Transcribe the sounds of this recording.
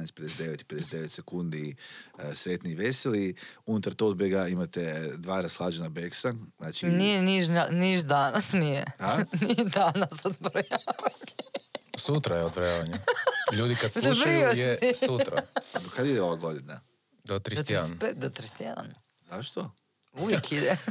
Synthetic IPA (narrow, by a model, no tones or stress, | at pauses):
anesped̪eset̪d̪eʋet̪i̥ped̪esed̪eʋet̪sekund̪i | sɾet̪niʋeseliunut̪aɾt̪od̪beɡaimat̪ed̪ʋaːɾaslˠaːd͡ʒenabeksanaːt͡ʃinijeniʒaniʒd̪anasnijḛanid̪anasod̪vɾajaʋat̪i̥sut̪ɾajeod̪bɾojaʋaɲaʎuːd̪ikad̪sluʃpɾioisut̪ɾa̰ad̪okad̪id̪eo̞ʋaɡo̞d̪ina | d̪ot̪ɾit̪jɛanped̪ot̪ɾise̥t̪jḛd̪a̰n | zaʃt̪o | uʋjekid̪e